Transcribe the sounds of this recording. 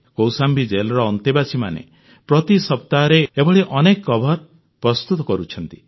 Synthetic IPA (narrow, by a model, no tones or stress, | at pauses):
kowsambid͡ʒelɾɔːnt̪ibasʰimanḛ | pɾɔt̪isɔp̚t̪aɾeebɔɭiʔɔnekːɔbʱɔɾ | pɾɔst̪ut̪ɔkɔɾut͡ʃʰɔnt̪i